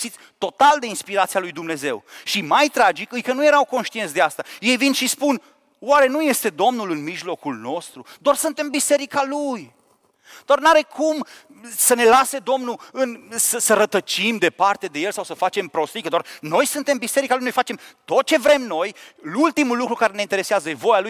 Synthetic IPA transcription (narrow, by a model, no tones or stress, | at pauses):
sit̪sʲt̪o̞t̪ald̪e̞inspiɾat̪sialujd̪umne̞ze̞̰wʃimajt̪ɾad͡ʒikɨjkənuje̞ɾawkonʃt̪iet̪sd̪east̪aje̞jvinʃispun | waɾe̞nuje̞st̪e̞d̪o̞mnulɨnmiʒlo̞kulno̞st̪ɾud̪oarsɨnt̪e̞mbise̞ɾikaluj | d̪̥oarnaɾe̞kʰum | səne̞lase̞d̪o̞mnuɨnsəsəɾət̪ət͡ʃimd̪e̞part̪e̞d̪e̞je̞lsawsəfat͡ʃe̞mpɾo̞st̪ikəd̪oarno̞jsɨnt̪e̞mbise̞ɾikalujnojfat͡ʃe̞mt̪o̞t̪̚t͡ʃe̞vɾe̞mno̞jlult̪imulːukɾukaɾe̞neint̪eɾeseazəvo̞jaluj